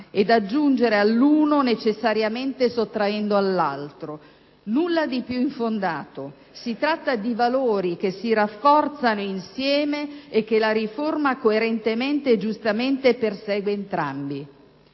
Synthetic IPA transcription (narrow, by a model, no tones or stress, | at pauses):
ed̪ad͡ʒːund͡ʒeɾealːuːnonet͡ʃesːaɾjament̪esot̪ːɾaɛnd̪oalːalt̪ɾo | nulːad̪ipjuiɱfond̪aːt̪o | sit̪ɾat̪ːad̪ivaloːɾik̟esːiɾafːɔrt̪sanoinsjɛːmeːk̟ːelaɾiformakoeɾent̪ement̪ed͡ʒust̪ament̪epersɛːɡweːnt̪ɾa̰mbi